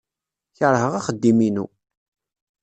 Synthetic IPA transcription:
çəɾˤɦəʁaχəd̪ːiminṵ

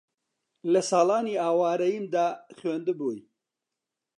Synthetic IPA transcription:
lɐsɑːlaːniːaːwaːɾɐjimd̪aːχweːnd̪ɨboːj

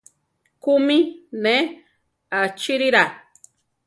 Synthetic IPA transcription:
kumine | at͡ʃiɾiɾa

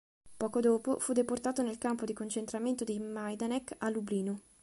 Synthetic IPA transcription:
pɔːkod̪oːpofud̪eport̪aːt̪onelkampod̪ikont͡ʃent̪ɾament̪od̪imajd̪anɛkalːubliːnu

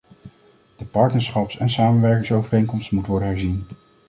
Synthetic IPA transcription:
d̥əpɑɹtnəɹsχɑpsɛnsaːmənʋɛɹkɪŋsowvərejŋkɔmstmutəʋɔɹdənɦɛɹzin

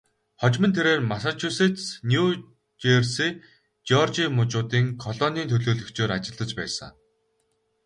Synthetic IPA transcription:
χɔt͡ɕmə̆nt̪ʰeɾeːrmasat͡ɕʰuset̪snju | t͡ɕersiː | t͡ɕɔrt͡ɕimʊt͡ɕʊːt̪iːŋkʰɔɮɔːniːnt̪ʰɵɮoːɮɵ̆kt͡ɕoːɾat͡ɕɪ̆ɮə̆t͡ɕpæ̰ːsə̰ŋ

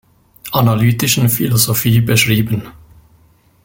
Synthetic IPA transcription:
ʔanalyːtɪʃn̩filozofiːbəʃʁiːbən

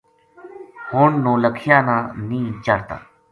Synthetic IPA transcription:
hoːɳnõːləkʰɪjãːnãːnĩːt͡ʃəɾt̪a̰ː

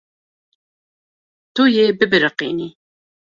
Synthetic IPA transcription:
t̪ujebɨbɨɾəqḭːni

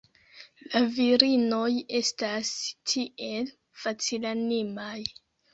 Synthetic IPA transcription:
laviɾinoje̞stastʰiʔe̞l | fat͡silanimaj

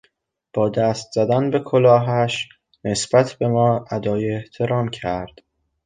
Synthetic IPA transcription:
b̥ɒːd̪æst̪z̥æd̪ænbe̞kʰolɒːɦæʃ | ne̞sb̥æt̪ʰb̥e̞mɒːæd̪ɒːjeːht̪ʰe̞ɾɒːmcʰæɾd̪̥

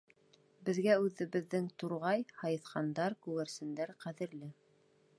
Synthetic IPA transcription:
bɘ̆ðɡæʉðɘ̆βɘ̆ðːɘŋt̪uɾʁɑjhɑjɤ̆θqɑnd̪ɑɾkʉɣæɾsɘ̆nd̪æɾqæðɘ̆ɾlɘ

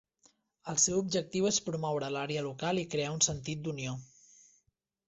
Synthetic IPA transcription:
əlˠsewub̚ʒək̚t̪iwespɾumɔwɾəlaɾeəlukalˠikɾeaunsənt̪it̪̚d̪unio

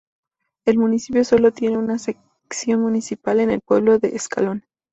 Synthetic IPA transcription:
e̞lmũnisipjo̞so̞lo̞t̪je̞ne̞unasek | ksjo̞nmũnisipale̞ne̞lpwe̞β̞lo̞ðe̞ʔːska̰lo̞n

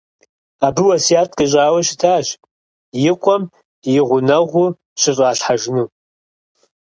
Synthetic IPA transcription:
abɨwɐsijaːtʼkʼɨɕʼaːwɐʃɪtʰaːɕ | jɪqʷʼɔm | jɪʁʷʊnɐʁʷʊ | ɕɨɕʼaːɬħaʒnu

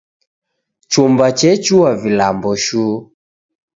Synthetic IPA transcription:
t͡ʃumbat͡ʃɛt͡ʃuwavilambɔʃu

